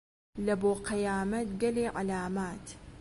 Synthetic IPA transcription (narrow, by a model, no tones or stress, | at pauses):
laboqɪjaːmat̪ɡaleːʕalaːmaːt̪